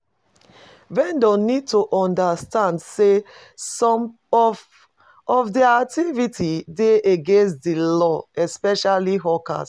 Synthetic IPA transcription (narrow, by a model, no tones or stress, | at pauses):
vɛ̃ndɔ̃nid̚tuʔɔ̃ndastãndse | sɔ̃m | ɔv | ɔvdiak̚tivitʰideeɡẽnstdilɔɛspɛʃaliɦɔka̰s